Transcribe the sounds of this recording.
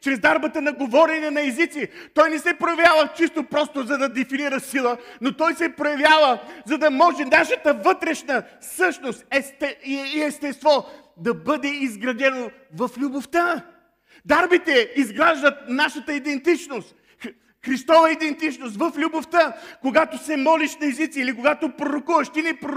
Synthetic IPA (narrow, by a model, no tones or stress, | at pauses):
t͡ʃɾɛzd̪aɾbət̪ənɐɡovɔɾɛnɛnɐɛzit̪sit̪ɔjnɛsɛpɾojɐvjavət͡ʃist̪opɾɔst̪ozɐd̪ɐd̪ɛfiniɾəsilˠənot̪ɔjsɛpɾojɐvjavəzɐd̪ɐmɔʒɛnaʃət̪əvɤt̪ɾɛʃnəsɤʃnost̪ɛst̪ɛiiɛst̪ɛst̪vɔ | d̪ɐbɤd̪ɛizɡɾɐd̪ɛno | vɐflʲuboft̪a | d̪aɾbit̪ɛizɡɾaʒd̪ət̪̚naʃət̪əid̪ɛnt̪it͡ʃnost̪ | xɾist̪ɔvəid̪ɛnt̪it͡ʃnost̪vɐflʲuboft̪akoɡat̪osɛmɔliʃnɐɛzit̪siilikoɡat̪opɾoɾokuvɐʃt̪inɛpɾ